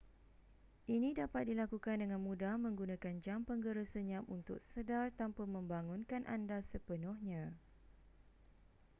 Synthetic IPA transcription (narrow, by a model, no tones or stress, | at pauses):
ʔinĩdapat̪̚dilakukandəŋãnmũdamə̃ŋɡunãkand͡ʒampəŋɡəɾəsəɲãmunt̪ʊ̰k̚sədart̪ampəmə̃mbaŋʊ̃nkanʔa̰ndasəpənʊhɲã